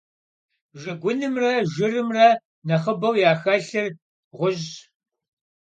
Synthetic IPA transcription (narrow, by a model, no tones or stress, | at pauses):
ʒɐɡʷʊnɨmrɐʒɪrɨmrɐ | nɐχəbɐwjaːxɐɬɨr | ʁʷʊʑ